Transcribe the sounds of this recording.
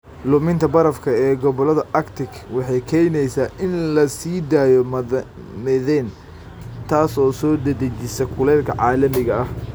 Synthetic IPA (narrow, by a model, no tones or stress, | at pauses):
lʊmɪnt̪ʰɐbɐɾɐfkʰɐɛːɡɔβɔlɐðɐʔɐkt̪ʰɪkwɑħɑjkʰɛjnɛjsaːʔɪnlɐsiːd̪aːjɔ | mɪðɛːn | t̪ʰaːsɔːsɔːd̪ɐd̪ɐt͡ʃɪsɛkʰʊlɛːlkʰɐ̰ʕɑːlɐmɪɣɐɐh